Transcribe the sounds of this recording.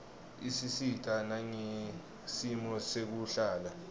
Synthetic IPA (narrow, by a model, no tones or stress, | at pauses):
isisitʼanaɲe | simɔsek̬uɬaːla